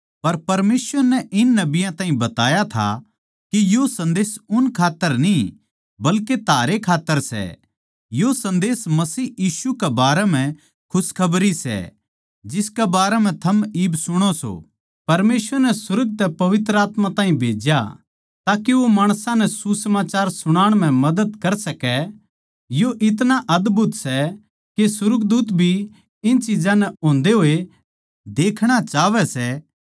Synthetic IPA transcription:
pɐɾpɐɾmeːsʋəɾnɛʔɪnːɐbɪjãt̪ãːɦĩbɐt̪a̰ːjat̪ʰa̰ | kijosɐ̃nd̪eːsʊnkʰaːt̪ːəɾnĩ | bɐlket̪ʰaːɾekʰaːt̪ːəɾsɛ̰ | josɐ̃nd̪eːsmɐsiːjiːʃukɛbaːɾɛm̤ɛ̃ | kʰʊskʰɐbɾisɛ̰ | d͡ʒɪskɛbaːɾɛm̤ɛ̃t̪ʰɐmiːbsʊɽ̃oso̰ | pɐɾmeːsʋəɾnɛsʊɾəɡ̚t̪ɛpɐʋɪt̪ɾəaːt̪mãt̪ãːɦĩbʱeːd͡ʒja̰ | t̪aːkiʋomaːɽ̃sãnɛsusəmaːt͡ʃaːɾsʊɽ̃aːɽ̃m̤ɛ̃mɐd̪əd̪kɐɾsɐkɛ | joʔɪt̪̬naʔɐd̪bʱʊt̪sɛ | kesʊɾəɡd̪uːt̪bʱi | ɪnt͡ʃid͡ʒãnɛõːnd̪eɦoːe | d̪eːkʰɽ̃at͡ʃaːʋɛsɛ

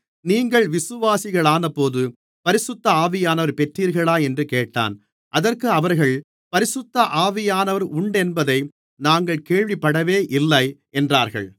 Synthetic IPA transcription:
niːŋɡɐɭʋɪsɯʋaːsɪɣɐɭaːnɐpːoːðɯ | pɐɾɪsʊt̪ːɐaːʋɪjaːnɐʋɐɾpɛʈriːɾɣɐɭaːɛndrɯkeːʈːa̰ːn | ʔɐðɐrkɯɐʋɐɾɣɐɭ | pɐɾɪsʊt̪ːɐʔaːʋɪjaːnɐʋɐɾʊɳɖɛnbɐðɐɪ | naːŋɡɐɭkeːɭʋɪpːɐɽɐʋeːʔɪlːɐɪ | ɛndraːɾɣɐ̰ɭ

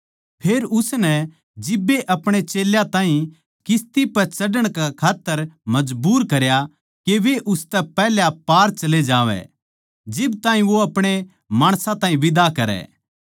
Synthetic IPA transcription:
pʰeːɾʊsnɛ | d͡ʒɪbːeʔɐpɽ̃et͡ʃeːljãt̪ãːɦĩ | kɪst̪ipɐt͡ʃɐɖəɽ̃kɛkʰaːt̪ːəɾmɐd͡ʒbuːɾkɐɾja | keʋeʔʊst̪ɛpɛːɦljapaːɾt͡ʃɐled͡ʒaːʋɛ̰ | d͡ʒɪbt̪ãːɦĩʋoɐpɽ̃e | maːɽ̃sãt̪ãːɦĩʋɪd̪akɐɾɛ̰ː

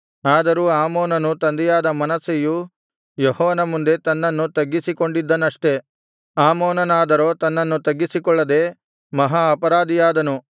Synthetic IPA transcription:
aːd̪ɐɾuːaːmoːnɐnut̪ɐnd̪ɛjaːd̪ɐmɐnɐseju | jehɔːʋɐnɐmund̪e̞t̪ɐnːɐnːut̪ɐɡːisiko̞ɳɖid̪ːɐnːɐʂʈe̞ | aːmoːnɐnaːd̪ɐɾo̞ːt̪ɐnːɐnːut̪ɐɡːisikɔɭːɐd̪e̞ː | mɐɦaːpɐɾaːd̪ijaːd̪ɐnu

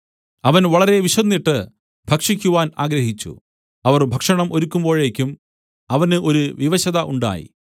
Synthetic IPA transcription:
ɐʋɐnʋɐɭɐɾe̞ʋiɕɐnːiʈːɨ | bʱɐkʂikʲːuʋaːna̰ːɡɾɐɦit͡ɕːṵ | ɐʋɐrbʱɐkʂɐɳɐmʔo̞ɾukʲːumbo̞ːɻeːkʲːum | ɐʋɐnɨʔo̞ɾuʋiʋɐɕɐðɐʔuɳɖa̰ːjḭ

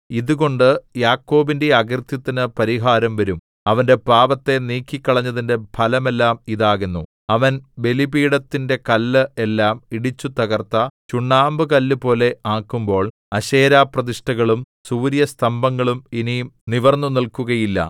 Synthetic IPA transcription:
iðuɣo̞ɳɖɨjaːkːo̞ːbinde̞ɐɡrt̪jɐt̪ːinɨpɐɾiɦaːɾɐmʋɐɾum | ɐʋɐnde̞paːʋɐt̪ːe̞niːkːikːɐɭɐɲːɐðinde̞bʱʰɐlɐme̞lːaːmiðaːɣenːu | ɐʋɐnbe̞libiːɽɐt̪ːinde̞kɐlːɨelːaːmiɽit͡ɕːut̪ɐɣɐrt̪ːɐt͡ɕuɳːaːmbɨkɐlːupo̞ːle̞aːkːumbo̞ːɭ | ɐɕe̞ːɾaːprɐðiʂʈɐɣɐɭum | suːɾjɐst̪ʰɐmbɐŋːɐɭumininiʋɐrnːunilkuɣɐjilːɐ̰

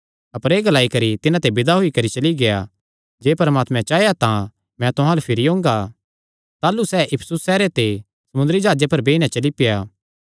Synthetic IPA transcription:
ɐpəɾeːɡɐlaːikɐɾit̪ɪnãt̪ebɪd̪aɦoikɐɾit͡ʃɐliɡeja | d͡ʒeːpɐɾmaːt̪mɛ̃t͡ʃaːejat̪ã | mɛ̃t̪ʊɦãlepʰɪɾiɦõːŋɡa | t̪aːlusɛːʔɪpʰsʊsːɛːɾet̪e | sɐmʊ̃nd̪əɾid͡ʒaːd͡ʒepɐɾbeːiñãt͡ʃɐlipɪjaː

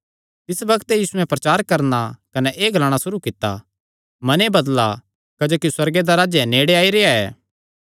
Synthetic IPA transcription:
t̪ɪsbɐkt̪ejiːsuɛ̃pɾɐt͡ʃaːɾkɐɾnakɐnɛʔeːɡʱɐlaːɽ̃asʊɾukɪt̪ːa̰ | mɐnebɐd̪la | kɐd͡ʒoːkiswɐɾɡed̪aɾaːd͡ʒɛneːɽeaːiɾeːaɛ̰ː

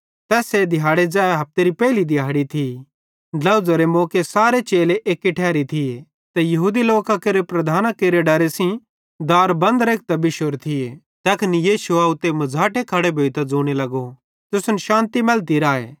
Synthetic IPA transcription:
t̪ɛːsed̪ʱɪjaːɽed͡ʒaːeɦɐp̚t̪eɾipɛːɪlid̪ʱɪjaːɽit̪ʰi | lɐʊd͡zɐɾemoːkesaːɾet͡ʃeːleʔeːkːiʈʰɛːɾit̪ʰie | t̪ɛjɐɦuːd̪iloːkakeːɾepɾɐd̪ʱaːnakeːɾeɖɐɾesĩ | d̪aːɾbɐ̃nd̪ɾeːk̚ʰt̪ɐbɪʃoɾt̪ʰɪe | t̪ɐknijiːʃʊaːʊt̪emɐd͡zʱaːʈekʰɐɽebʱoːit̪ɐd͡zoːɽ̃elɐɡo | t̪ʊsʊnʃãːnt̪imɛlt̪iɾaːḛː

